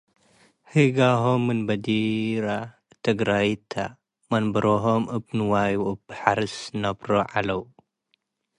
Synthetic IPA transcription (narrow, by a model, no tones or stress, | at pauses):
hɨɡaɦomːɨnbɐd̪iɾa | t̪ʰɐɡɾajt̪ʰa | mɐnbɐɾoɦomɨbnɨwajuɨbɨħaɾɨsnɐbɾoʕalɐw